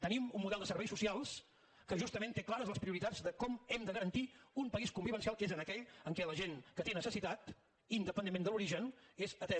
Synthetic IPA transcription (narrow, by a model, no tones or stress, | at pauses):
t̪ənimummuðɛlˠd̪əsəɾβɛjsusialˠs | kəʒust̪əment̪eklˠaɾəzləspɾiuɾit̪ad͡zd̪əkɔmɛmd̪əɣəɾənt̪iumpəiskumbiβənsialˠkezənəkɛʎəŋkɛləʒenkət̪enəsəsit̪at̪ | ind̪əpənemend̪əluɾiʒənezət̪ɛ